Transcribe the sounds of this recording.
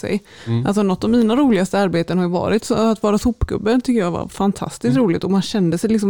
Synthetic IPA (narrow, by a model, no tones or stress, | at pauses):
ɛ̰j | ʔalsɔnɔt̪ːɔvmiːnaɾuːlɪɡast̪əaɾbeːt̪ənhaɾjʊvɑ̰ːɾɪt̪sɔ̰at̪vɑːɾasʊpːɡɵ̰bːənt̪ʰʏkːəjɑva̰ɾfant̪ʰa̰st̪ɪskt̪ɾuːlɪt̪ɔmanɕɛnd̪əsɛjlɪks̬ɔm